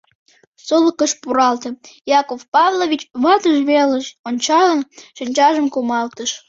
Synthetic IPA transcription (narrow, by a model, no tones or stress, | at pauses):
soləkəʃpuɾɑlt̪əjɑkofpɑβlovʲit͡ɕβɑt̪əʒβeləʃonʲt͡ɕɑlənʃənʲt͡ɕɑʒəmkumɑlt̪əʃ